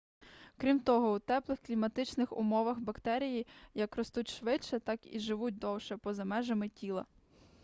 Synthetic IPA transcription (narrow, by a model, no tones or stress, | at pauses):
kɾʲimt̪ɔɦɔwt̪ɛplˠɪxklʲimɐt̪ɪt͡ʃnɪxʊ̰mɔʋɐxbɐkt̪ɛɾʲijijɐkrɔst̪utʲʃʋɪt͡ʃːɛt̪ɑkḭʒɪʋut̚ʲd̪ɔwʃɛpɔzɐmɛʒɐmɪtʲilˠɐ̰